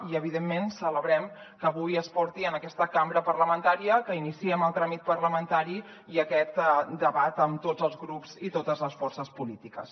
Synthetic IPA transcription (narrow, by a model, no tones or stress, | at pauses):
iəβiðemːensələβɾɛm | kəβujəspɔɾt̪iənəkɛst̪əkambɾəpərləmənt̪aɾiəkəinisiɛməlˠt̪ɾamit̪̚pərləmənt̪aɾi | iəkɛt̪d̪əβat̪əmt̪od͡zəlˠzɣɾupz̥it̪ot̪əzləsfɔrsəspulit̪ikə̰s